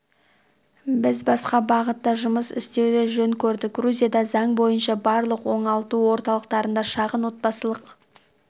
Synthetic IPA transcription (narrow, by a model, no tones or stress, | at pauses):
bɪzbɑsqɑbɑʁət̪ːɑʒʊməsɪ̰st̪e̞wd̪eʒɵŋkʲʰɵɾd̪ɪk̚ɡruzʲijɑd̪ɑzɑɴbo̞jənʃɑbɑɾlˠəqwo̞ɴɑlˠt̪uwo̞ɾt̪ɑlˠəqt̪ɑɾənd̪ɑʃɑʁənwo̞t̪̚bɑsəlˠəq